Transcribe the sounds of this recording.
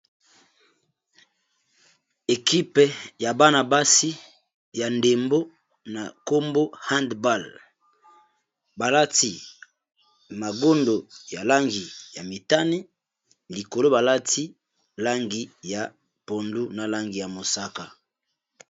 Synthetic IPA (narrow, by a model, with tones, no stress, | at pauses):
e˨ki˦pja˨ba˦na˨ba˦si˦ | ja˨nde˨mbo˦ | na˨ko˦mbo˦ha˦ndba˦˨l | ba˨la˦ti˨ | ma˨ɡo˦ndo˨ja˨la˦ŋɡi˨ja˨mi˨ta˦ni˦ | li˨ko˨lo˦ba˨la˦ti˦ | la˦ŋɡi˦ja˨ | po˨ndu˦na˨la˦ŋɡi˨ja˨mo˨sa˦ka˨